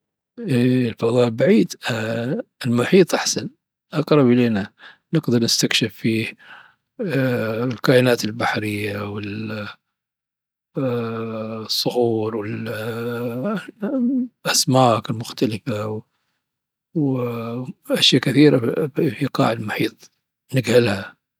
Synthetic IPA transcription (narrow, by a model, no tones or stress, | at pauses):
ʔiɪlfɑðˤɑːʔlbaʕiːd̪ | ɪlmʊħiːt̪ˤʔaħsan | ʔɑqɾˤɑbʔɪleːna | nɪɡd̪ɨɾˤnɪst̪akʃɪfːiː | lkaːʔɪnaːt̪ɪlbaħɾɪjːawɪl | sˤːʊɣuːɾˤwɪl | ʔasmaːkɪlmʊxt̪alɪfaw | w | ʔaʃjakɪθiːɾafiqɑ̰ːʕɪlmʊħiːt̪ˤ | nɪɡhɪlha